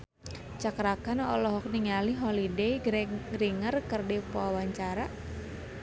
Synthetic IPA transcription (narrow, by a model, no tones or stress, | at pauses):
t͡ʃakɾakanɔlɔɦɔk̚niŋaliɦɔlidejɡɾiŋərkərdɛpawaɲt͡ʃaɾa